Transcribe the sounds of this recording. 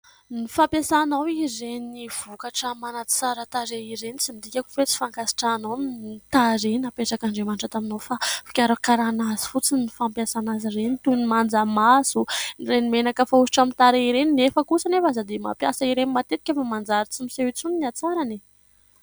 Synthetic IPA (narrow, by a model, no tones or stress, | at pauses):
nifampjasanawizeniv̥ukaʈ͡ʂəmanat͡saɾat̪aɾeiɾenit͡simid̪ikʲaku̥fet͡si̥faŋkasi̥ʈ͡ʂanawnnt̪aɾenapeʈ͡ʂakaɳɖ͡ʐemanʈ͡ʂət̪aminowfafi̥kʲaɾakaɾanazi̥fut͡sinifampjasanazirenit̪unimand͡zamasunirenimenakəfaui̥ʈ͡ʂamint̪aɾeiɾeninefəkusanefazad̪ema̰pjasaiɾenimat̪et̪ikʲefamand͡zaɾit͡simiseit͡suniniat͡saɾani